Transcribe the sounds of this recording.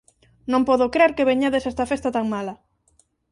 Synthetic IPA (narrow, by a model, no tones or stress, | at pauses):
nõmpɔðokɾeɾkeβeɲeðesɛst̪ɐfest̪at̪aŋmalɐ